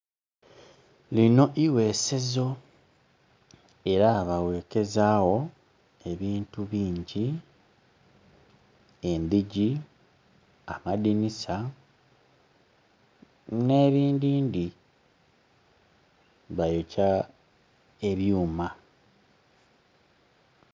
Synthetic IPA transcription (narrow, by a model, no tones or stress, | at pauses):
lino̞ʔiwe̞ːse̞zo̞ | e̞ɾaβawe̞ːke̞zaːwo̞ | e̞βiːntuβiːɲɟi | e̞mbiɟi | amadinisa | ne̞ːβiːndiːndi | βajoca | e̞βjuːma